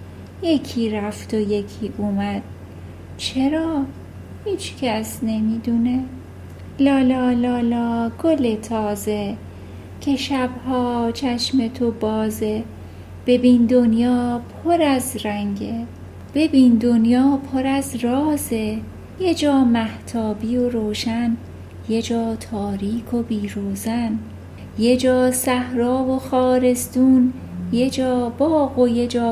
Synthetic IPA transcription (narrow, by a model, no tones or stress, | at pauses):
je̞cʰiːɾæft̪oje̞cʰiːʔuːmæd̪̥̚ | t͡ʃʰe̞ɾɒː | hiːt͡ʃcʰæsne̞miːd̪uːne | lɒːlɒːlɒːlɒːɡ̥olet̪ʰɒːze | cʰe̞ʃæbhɒːt͡ʃʰæʃmet̪ʰobɒːze | b̥e̞biːnd̪onjɒːpʰoɾæzɾæŋɟe | b̥e̞biːnd̪onjɒːpʰoɾæzɾɒːze̞ | je̞d͡ʒɒːmæht̪ʰɒːbioɾoːʃæn | je̞d͡ʒɒːt̪ʰɒːɾiːkʰo̞biːɾoːzæn | je̞d͡ʒɒːsæhɾɒːvo̞xɒːɾe̞st̪uːn | jed͡ʒɒːb̥ɒːɣo̞je̞d͡ʒɒː